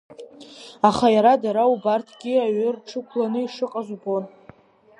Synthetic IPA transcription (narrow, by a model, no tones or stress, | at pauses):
aχajaɾadaɾaubartʰɡʲiaɥʏrʈ͡ʂʰɨkʷʰlanɨiʂɨqʼaʒʷbo̞n